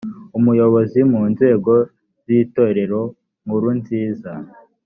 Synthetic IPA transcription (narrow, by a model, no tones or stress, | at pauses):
umujo̞βo̞zimuːnze̞ːɡo̞ | z̥iːto̞ːɾe̞ɾo̞ | muɾunziːza